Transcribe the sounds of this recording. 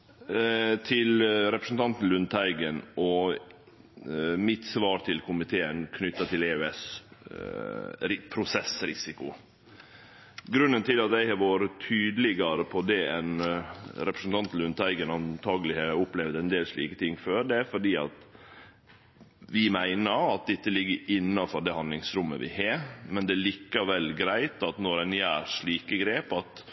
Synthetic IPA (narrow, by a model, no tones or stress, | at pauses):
t̪ʰɪlɾɛpɾəsn̩t̪ʰɑnt̪n̩lʉnt̪ʰæɪɡənʔɔ | mɪt̪sʋɑːɾt̪ʰɪlkʰʊmɪt̪ʰeːənkʰnʏt̪ːɑt̪ʰɪleːʉɛs | pʰɾʊsɛsɾɪsɪkʊ̰ | ɡɾʉnːənt̪ʰɪlɑt̪ɛɪhɑɾʋoːɾət̪ʰyːd̪lɪɡɑɾəpʰɔd̪ɛɛnɾɛpɾəsn̩t̪ʰɑnt̪l̩ʉnt̪ʰæɪɡənɑnt̪ʰɑːɡəlɪhɑʊplɛʋd̪ɛnd̪eːlʂɭḭːkət̪ʰɪŋːføːɾd̪ɛæɾfɔɖiːɑ̰t̪ | ʋɪmæɪnəɾɑt̪̚d̪ɪt̪ːəlɪɡːəɪnːɑfɔɖɛhɑnd̪lɪŋsɾʉmːə̰ʋɪ̰hemɛnd̪ɛæːɭiːkəʋɛlːɡɾæɪt̪ɑt̪nɔɾɛnjæːɾʂɭiːkəɡɾeːpɑt̪